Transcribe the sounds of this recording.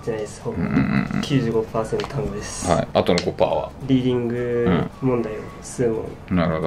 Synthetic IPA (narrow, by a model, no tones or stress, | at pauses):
d͡ʑanajd̪eshõkʲʰɨːʑɨːɡo̞paːsent̪ot̪ʰãŋɡɯd̪esɨ̥haiat̪onokopa̰ːβa̰ɾʲiːd̪ʲĩŋɡɯ̟̃mõ̞nd̪ai | sɨːmõ̰ŋ | naɾɯ̟hod̪o